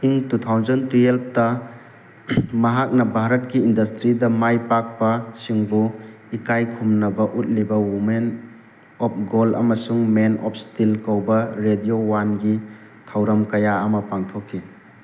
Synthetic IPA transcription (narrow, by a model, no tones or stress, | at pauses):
siŋtutʰawzɐntɾielp̚ʰtɐ | mɐɦak̚nɐbʱaɾɐt̚kiːndɐstɾidɐmajpak̚pɐsiŋbu | ikajkʰumnɐbɐʔut̚libɐwumen | ɔp̚ʰɡolɐ̰mɐsuŋmenɔ̰p̚ʰstilkɐwbɐɾediowanɡi | tʰɐwɾɐmkɐjaɐmɐpaŋtʰokʰːi